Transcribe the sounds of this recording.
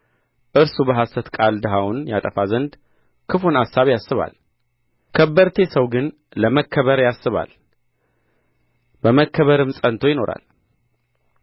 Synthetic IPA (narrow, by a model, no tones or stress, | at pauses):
ʔɨɾsubəɦasət̪kʼald̪əɦawnjat̪ʼəfazənd̪ | kʰɨfunasːaβjasːɨβa̰l | kʰəbːəɾt̪ʰe̞səwɡɨn | ləməkʰːəβəɾjasːɨβa̰l | bəməkʰːəβəɾɨmsʼənt̪ʰo̞jɪno̞ɾa̰l